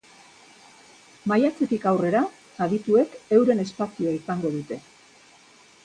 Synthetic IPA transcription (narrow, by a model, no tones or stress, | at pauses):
majat͡se̞t̪ikawre̞ɾa | aðit̪ue̞ke̞wɾe̞ne̞spasioaisaŋɡo̞ðut̪e̞